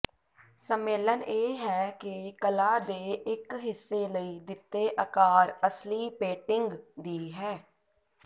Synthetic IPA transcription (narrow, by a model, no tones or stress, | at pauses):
səmːeːləneːɦɛːkɪkəlaːd̪eːʔɪkɦɪsːeːləiːd̪ɪt̪ːeːʔəkaːɾəsliːpeːʈɪŋɡd̪iːɦɛː